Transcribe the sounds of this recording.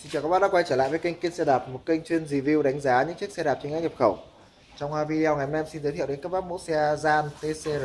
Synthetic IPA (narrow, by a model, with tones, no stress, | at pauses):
si˧nt͡ɕːka˦˥ɓaː˧˩ɗaː˧˥kwa˧jt͡ɕəː˧˩a̰ː˧˨jvəː˨˦ki˧ŋ̟ki˦˥t̚sɛ˧ɗaː˨˩p̚mo˨˩t̚kï˧ŋ̟t͡ɕwi˧ənzi˨˩vi˧wɗa˨˦jŋ̟zaː˨˦ɲɨ̰˧˥ŋt͡ɕi˦˥ək̚sɛ˧ɗaː˨˩p̚t͡ɕŋa˨˦˥k̚ɲə˨˩p̚xə˧˩w | t͡ɕɔ˧wŋ͡mhaː˧vi˧a˧˩wŋa˨˩jə˨˩nɛ˧msi˧nzəː˨˦t̪ʰḭ˧˨ɗe˨˦nka˦˥p̚ɓaː˦˥t̚mo̰˧˥si˧aː˧zaː˧nt̪e˧se˧˩